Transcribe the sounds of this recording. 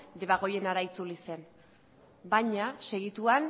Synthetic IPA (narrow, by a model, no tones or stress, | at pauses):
d̪e̞βaɣ̞o̞je̞naɾait͡sulise̞n | baɲase̞ɣ̞it̪uan